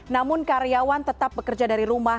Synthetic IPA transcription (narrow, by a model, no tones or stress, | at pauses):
namʊnkaɾeawant̪ət̪ap̚bəkərd͡ʒadaɾiɾuma